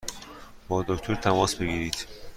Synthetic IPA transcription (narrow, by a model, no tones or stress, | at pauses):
bɒːd̪okt̪ʰo̞ɾt̪ʰæmɒːsbe̞ɡiːɾiːd̪̥